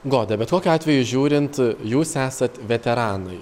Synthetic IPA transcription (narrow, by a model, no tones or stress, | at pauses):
ɡoːd̪ʲɛbʲɛt̪koːkʲʊɑːt̪ʲʋʲɛjʊʒʲuːɾʲɪnt̪juːsæːsɐt̪ʋʲɛt̪ʲɛɾɑːnɐɪ